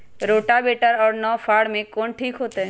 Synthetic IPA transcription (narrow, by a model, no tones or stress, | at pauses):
ɾoːʈabeːʈəɾɔːɾnɔfʰaːɽmẽkoːnʈʰiːkɦoːt̪eɦɛ̃